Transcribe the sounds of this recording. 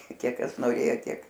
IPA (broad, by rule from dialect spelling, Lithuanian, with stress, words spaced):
ˈkʲiɛk ˈkɐs noːˈrʲeːjoː ˈtʲiɛk